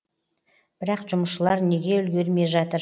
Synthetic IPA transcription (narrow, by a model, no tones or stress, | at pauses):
b̥ɪɾɑqʒʊməʃəlˠɑɾne̞ɡʲe̞ʏlɡʲe̞ɾme̞ʒɑt̪əɾ